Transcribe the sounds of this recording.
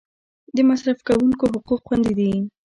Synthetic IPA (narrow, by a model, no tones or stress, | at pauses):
d̪əmasɾafkawuŋkoɦʊquqxwand̪id̪i